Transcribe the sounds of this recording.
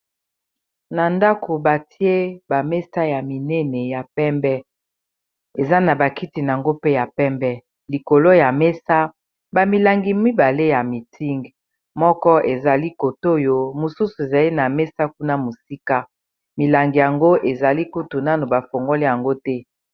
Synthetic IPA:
na˨nda˦kʰo˨ba˨ti˦e˦ba˨mɛ˦sa˦ja˨mi˨nɛ˦nɛ˨ja˨pɛ˦mbɛ˦ | e˨za˦na˨ba˨ki˦ti˨n˨a˨ŋɡo˦pe˦ja˨pɛ˦mbɛ˦ | li˨ko˨lo˦ja˨me˦sa˦ | ba˨mi˨la˨ŋɡi˨mi˦ba˨le˦ja˨mi˨tʰi˦ŋɡ | mɔ˦kɔ˦ʔe˨za˨li˦ko˨to˦jo˦mu˨su˦su˨e˨za˨li˦na˨mɛ˦sa˦ku˦na˦mo˨si˦ka˦ | mi˨la˨ŋɡi˨ja˨ŋɡo˦ʔe˨za˨li˦ku˦tu˨na˦no˨ba˨fo˨ŋɡo˦li˦ja˨ŋɡo˦tɛ˦

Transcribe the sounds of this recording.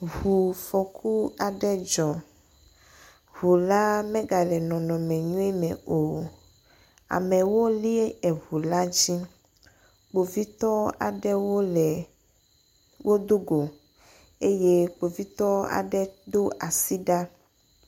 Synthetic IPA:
ɦu˨fɔ˨kʰu˦a˨ɖɛ˦d͡ʒɔ˨ | hu˨la˦mɛ̃˦ɡa˨lɛ˨nɔ̃˨nɔ̃˨mɛ̃˨ɲũ˦ɛ˦mɛ̃˨o˨ | a̰˨mɛ˨wo˦li˦e˦ɛ˨ɦu˨la˦d͡ʑi˦ | k͡po˨vi˦t̪ɔ˦a̰˨ɖɛ˦wo˦lɛ˨ | wʔo˦d̪o˦ɡo˨ | e˦je˦k͡po˨vi˦t̪ɔ˦a̰˨ɖɛ˦d̪o˦ʔa˨si˦ɖa˦

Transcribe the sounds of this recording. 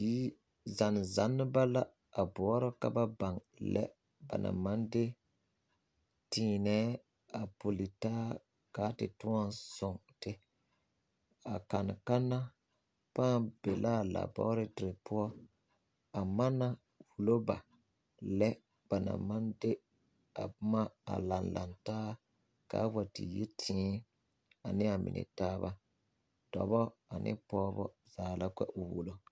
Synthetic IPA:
iː˦ | za˨n˨za˨˦nːɪ˦ba˦la˦ | a˨bɔ˨ɔ˦ɾɪ˦ka̰˦ba˦ba˨ŋ | lʔɛ̰˦ | ba̰˨nʔa̰˨ma˦ndɪ˦ | tiː˨˦nɛː˦ | a˨po˨li˨taː˦ | kaː˨˦tɪ˨tʊ˦a˦nsʊ˨ŋtɪ˦ | a˨ka˨n˨ka˦nːa˦ | pãː˦b̥e˨la˦˨la̰˨bɔ̰˦ɾɪ˦tɪ˨ɾɪ˨pʊ˦ɔ˦ | a˨ma˦na˨ | wu˨lo˦ba˨ | lɛ˦ | b̥a˨na̰˨ma˦nde˦ | a˨˦ma˦a̰˨la˨nla̰˨ntaː˦ | ka̰˨˦wa˨tḭ˨je˦tʰĩː˦ | a˨nɪ˦a˨mɪ̰˨nɪ̰˨taː˦ba˦ | d̥ɔ̰˨bɔ˦a˨nʔɪ̰˦pɔː˦bɔ˦ | z̥aː˨la˦kʷɛ̰˦ʔʊ˨wu˦lo˦

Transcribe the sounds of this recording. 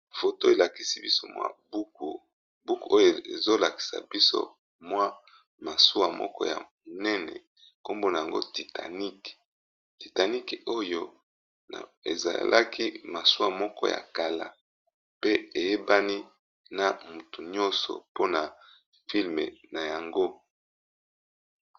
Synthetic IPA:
fo˨to˦e˨la˨ki˨si˦bi˦so˦mwa̰˦bu˦k̚u˨ | bu˦ku˨o˦jo˨ḛ˨zo˦la˨ki̥˨sa̰˨bi˦so̰˦ | mwa˦ | ma˨su˦wa˨mɔ̰˦kɔ̰˦ja̰˨ | nɛ˦nɛ̰˨ | ko˦mbo˦na˨ja˨ŋɡo̰˦ti˨ta̰˨ni˦k | ti˨ta˨ni˦ko˦jo̰˦˨ | e˨za̰˨lʔa̰˦ki˦ma˨su˦a˨mɔ˦kɔ̰˦ja̰˨ka˨la˨ | pe˦e˨je˦ba˦ni˦ | na˨mu˨tu˨ɲɔ̃˦sɔ̰˨po˦na˨ | fi˦lmḛ˨na˨ja˨ŋɡo˦

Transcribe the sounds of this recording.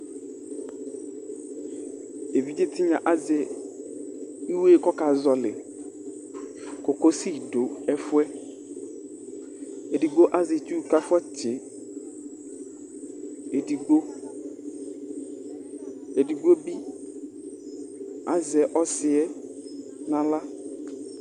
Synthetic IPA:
e˨vi˦d͡ʒɪ˦tʰɪ˦ɲã˨ʔa˦zɛ˨ | i˦weː˦˨kɔ˦ka˨zɔ˨lɪ̰˨ | ko˨ko˦si˦˨do˨ɛ˦fʊ˦ɛ˦ | e˨di˨ɡ͡bo˦ʔa˦zɪ˨t͡ʃu˦˨ka˦fʊ˦ɔ˦t͡ʃɪ˨ | e˨di˨ɡ͡bo˦ | e˨di˨ɡ͡bo˦bi˦ | a˦zɛ˨ʔɔ˦sɪ˨ɛ˦ | nã˨la˦

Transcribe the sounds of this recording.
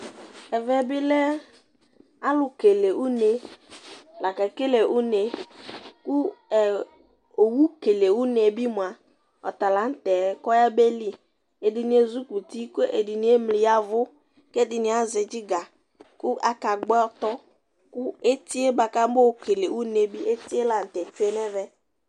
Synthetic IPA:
ɛ˨vɛ˦bɪ˦lɛ˦ | a˦lʊ˨ke˨le˨ʔu˦ne˨ | la˨ka˨ke˦le˨ʔu˦ne˨ | kʊ˦ɛ˨ | o˨wu˦ke˨le˨wu˦ne˨e˨bi˦mʊ˨a˨ | ɔ̰˨t̪a˨la˨˦n̩˦tɛ˨˦kɔ˦ja˦be˦li˦ | e˨dɪ˨nɪ˦e˦zu˦ku˨ti˦ko˦ʔḛ˨dɪ˨ni˦e˦mli˨ja˦vʊ˦ | ke˦dɪ˨nɪ˨˦a˦zɛ˨d͡ʒɪ˦ɡa˨ | kʊ˦ʔa˨ka˨ɡ͡bɛ˦ɔ˦tɔ˦ | kʊ˦e˦ti˦e˦ba˨ka˦bo˦ke˨le˨ʔu˦ne˨bi˦ʔe˦ti˦e˦la˨n̩˨tɛ˨t͡ʃu˦e˦nɛ˦vɛ˦

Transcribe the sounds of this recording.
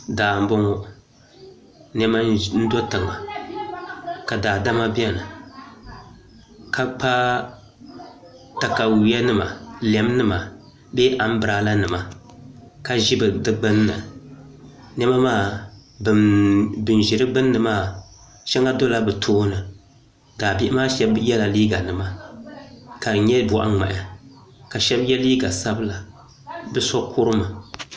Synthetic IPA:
daː˨m̩˦bʊ˦ŋo˦ | n˦ɛ˦ma˦n̩˦do˦tɨ˨ŋa˨ | ka˨daː˨da˦ma˦bɛ˦nɨ˨ | ka˦k͡pa˦ | ta˨ka˨wi˨ja˦nɨ˦ma˨lɛ˨m˦nɨ˦ma˨ | be˦ʔa˨m̩˦bɨ˨ɾa˨˦la˦nɨ˨ma˨ | ka˦ʒɪ˦bɨ˨dɨ˦ɡ͡bɨ˦nː˦ɨ˨ | nɛ˦ma˦maː˦˨bɨ˨bɨ˨n˨ʒɪ˨ɾɨ˦ɡ͡bɨ˦nːɨ˨maː˦˨ | ʃɛ˦ŋa˦do˦la˦bɨ˨tʰoː˦nɨ˨ | daː˨bɪ˦ʔɪ˦maː˦ʃɛ˦bjɛ˦la˨liː˦ɡa˨nɨ˨ma˦ | ka˨ɲɛ˦bɔ˨ʔa̰˦ŋ͡ma̰˨ʔa˨ka˨ʃɛ˦bjɛ˦liː˦ɡa˨sa˦bla˨ | bɨ˦sɔ˦kʰʊ˦ɾɨ˦ma˨

